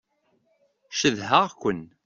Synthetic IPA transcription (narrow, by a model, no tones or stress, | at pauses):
ʃəðɦaʁkʷən